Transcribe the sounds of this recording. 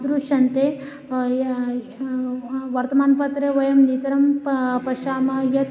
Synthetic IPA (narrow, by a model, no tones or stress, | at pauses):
d̪ɾuʃɐnt̪e | ʋɐɾt̪ɐmaːnpɐt̪ɾeʋɐjɐmnit̪ɐɾɐmpɐʃaːmɐjɐ